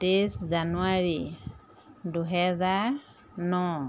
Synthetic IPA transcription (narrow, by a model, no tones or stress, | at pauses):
teszanuaɹi | duɦɛzaɹ | nɔ